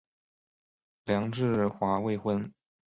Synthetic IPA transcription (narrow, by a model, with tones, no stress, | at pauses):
ljɑ˧˥ŋʈ͡ʂɻ̩˥˧xwa˧˥we˥˧ɪxwə˥n